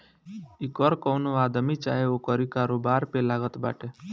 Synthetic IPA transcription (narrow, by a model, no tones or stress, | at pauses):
ikəɾkɔwnoaːd̪əmit͡ʃa̰ːɦeokəɾikaːɾoːbaːɾpelaːɡət̪ba̰ːʈe